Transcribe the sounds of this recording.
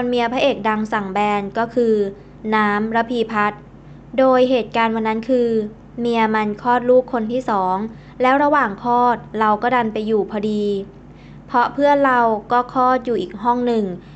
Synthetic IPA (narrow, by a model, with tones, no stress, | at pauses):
kʰo˧nmi˧ɐpʰa˦˥ʔeː˨˩k̚da˧ŋsa˨˩ŋbɛː˧nkɔː˥˩kʰɯː˧ | naː˦˥mɾa˦˥pʰiː˧pʰa˦˥t̪̚ | doː˧jɦeː˨˩t̪̚kaː˧nwa˧nːa˦˥nkʰɯː˧ | mi˧ɐma˧nkʰɔː˥˩t̪̚luː˥˩kʰːo˧nt̪ʰiː˥˩sɔː˩˦ŋ | lɛː˦˥wɾa˧waː˨˩ŋkʰɔː˥˩t̪̚ɾa˧wkɔː˥˩da˧npa˧jːuː˨˩pʰɔː˧diː˧ | pʰɔ˦˥pʰɯ˥˩əɾa˧wkɔː˥˩kʰɔː˥˩t̪̚juː˨˩ʔiː˨˩k̚ɦɔ˥˩ŋnɯ˨˩ŋ